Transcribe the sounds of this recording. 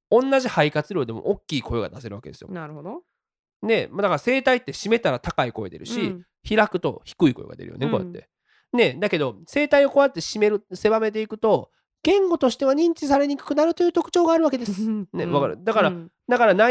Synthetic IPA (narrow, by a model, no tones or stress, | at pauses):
õ̞nːaʑihaikat͡sɨɾo̞ːd̪e̞mo̞̰ʔokʲːiːko̞eɡad̪ase̞ɾɯ̟a̰ke̞d̪esɨjo̰na | ne̞mad̪akaɾase̞ːt̪ait̪ːe̞ɕime̞t̪aɾat̪akaiko̞ḛd̪e̞̰ɾɯ̟̰ɕi | çiɾakɯ̟t̪o̞̰çi̥kɯ̟ikoeɡa̰d̪e̞̰ɾɯ̰joneko̞jḛt̪ːe̞ | ne̞d̪ake̞d̪o̞se̞ːt̪aio̞ko̞at̪ːe̞ɕime̞ɾɯse̞bame̞t̪e̞ikɯ̟t̪o̞ | ɡ̥ẽ̞ŋɡo̞t̪o̞ɕi̥t̪e̞βaɲ̟ĩɲt͡ɕisaɾe̞ɲ̟ikɯ̟̥kɯ̟naɾɯ̟t̪o̞jɯ̟ːt̪o̞kɯ̟̥t͡ɕo̞ːɡaːɾɯ̟βake̞d̪e̞sɨneβakaɾɯ̰d̪akaɾa | d̪akaɾana